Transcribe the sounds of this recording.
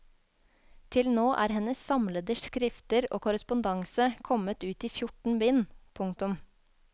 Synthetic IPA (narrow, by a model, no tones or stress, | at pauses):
t̪ʰɪlnoːʔæ̰ːɾhɛnəssɑmləd̪əʃkɾɪft̪əɾo̰ːkʊɾəspʊnd̪ɑŋsəkʰɔmət̪ʉːt̪iːfjʊʈɳ̩bɪnpʰʊŋkt̪ʊm